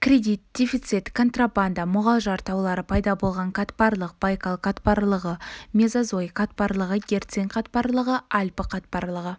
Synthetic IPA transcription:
krʲe̞d̪ʲit̪̚d̪̥ʲefit̪sit̪kʰo̞nt̪raband̪amʊʁɑlˠʒɑɾt̪ɑwlˠɑɾəpʰɑjd̪ɑbo̞lˠʁɑɴqʰɑt̪pɑɾlˠəq̚b̥ajkalˠqʰat̪pɑɾlˠəʁəmʲe̞zazo̞jqʰat̪pɑɾlˠəʁəɡʲe̞ɾt̪seŋqʰɑt̪pɑɾlˠəʁəʔalʲpəqʰɑt̪pɑɾlˠəʁə

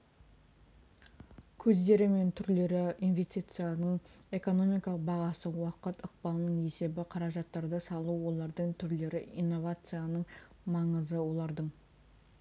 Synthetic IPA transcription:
kʲʰɵzd̪e̞ɾɪme̞nt̪ʰʏɾle̞ɾɪinvʲe̞st̪ijt̪sɨjanəɴe̞ko̞no̞mijkɑlˠəq̚bɑʁɑsəwɑqət̪əq̚bɑlˠnəɴe̞se̞bɪqʰɑɾɑʒɑt̪ːɑɾd̪əsɑlˠuwo̞lˠɑɾd̪əɴt̪ʰʏɾle̞ɾɪijnːo̞vat̪sɨjanəɴ | mɑɴəzəwo̞lˠɑɾd̪əɴ

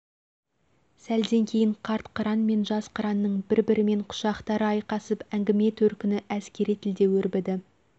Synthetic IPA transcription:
sæld̪e̞ŋkʲʰe̞jɪɴqʰɑɾt̪qʰəɾɑnme̞nʒɑsqʰɑɾɑnːəɴbɪɾbɪɾɪme̞ɴqʰʊ̥ʃɑqt̪ɑɾəɑjqɑsəpæŋɡʲɪme̞t̪ʰɵɾkʲɪnɪʔæskʲe̞ɾijt̪ʰɪld̪e̞wɵɾbɪd̪ɪ

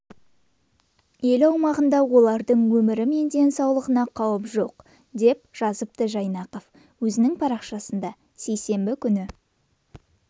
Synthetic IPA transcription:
je̞lɑwmɑʁənd̪ɑwo̞lˠɑɾd̪əɴwɵmɪɾɪme̞nd̪e̞nsɑwlˠəʁənɑqʰɑwəpʒo̞q | d̪e̞p̚ʒ̥ɑzəp̚t̪əʒɑjnɑqof | wɵzɪnɪŋpʰɑɾɑqʃɑsənd̪ɑ | se̞jse̞mbɪkʲʰʏnɪ

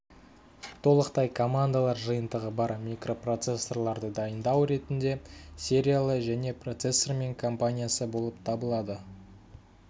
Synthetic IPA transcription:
t̪ʰo̞lˠəqt̪ɑjkʰo̞mand̪alˠɑɾʒəjənd̪əʁəbɑɾmʲikro̞pro̞t̪se̞sːo̞rlˠɑɾd̪əd̪ɑjənd̪ɑwɾe̞t̪ɪnd̪e̞sʲe̞ɾʲijalˠəʒæne̞pro̞t̪sesːorme̞ŋkʰo̞mpanʲijasəbo̞lˠəp̚t̪ʰɑbəlˠɑd̪ə

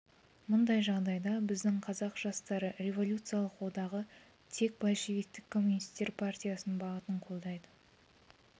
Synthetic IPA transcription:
mʊnd̪ɑjʒɑʁd̪ɑjd̪ɑbɪzd̪ɪŋqʰɑzɑqʒ̥ɑst̪ɑɾəɾe̞vo̞lʲut̪sɨjalˠəqwo̞d̪ɑʁə | t̪ʰe̞k̚bɑlˠʃivik̚t̪ːɪkʰːo̞mːunist̪e̞ɾpʰartʲijasənbɑʁət̪əɴqʰo̞lˠd̪ɑjd̪ə

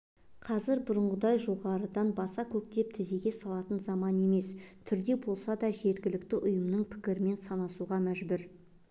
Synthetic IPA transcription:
qʰɑzɪɾbʊɾəɴʁəd̪ɑjʒo̞ʁɑɾəd̪ɑnbɑsɑkʲʰɵk̚t̪e̞p̚t̪ʰɪzeɡʲe̞sɑlˠɑt̪ənzɑmɑne̞me̞st̪ʰʏɾd̪e̞bo̞lˠsɑd̪ɑʒe̞ɾɡʲɪlɪk̚t̪ɪʔʊjəmnəɴpʰɪ̥kʲɪɾɪme̞nsɑnɑsuʁɑmæʒbʏɾ

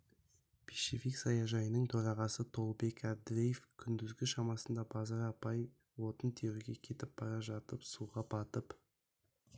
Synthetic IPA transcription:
pʰiʃefiksɑjɑʒɑjənəɴt̪ʰoɾɑʁɑsət̪ʰo̞lˠbe̞kæd̪ɪɾʲejefkʲʰʏnd̪ɪzɡʲɪʃɑmɑsənd̪ɑbɑzɑɾɑpɑj | wo̞t̪ənt̪ʰeɾɪɡʲe̞kʲʰe̞t̪ɪp̚b̥ɑɾɑʒɑt̪əpsuʁɑbɑt̪əp

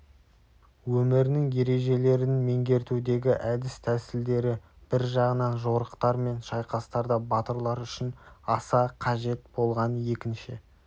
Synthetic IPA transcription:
wɵmɪɾɪnɪŋje̞ɾe̞ʒe̞le̞ɾɪnme̞ŋɡʲe̞ɾt̪ud̪e̞ɡʲɪʔæd̪ɪst̪ʰæsɪld̪e̞ɾɪ | b̥ɪɾʒɑʁənɑnʒoɾəqt̪ɑɾme̞nʃɑjqɑst̪ɑɾd̪ɑbɑt̪əɾlˠɑɾʏʃɪnɑsɑqʰɑʒe̞t̪bo̞lˠʁɑnje̞kʲɪnʃɪ

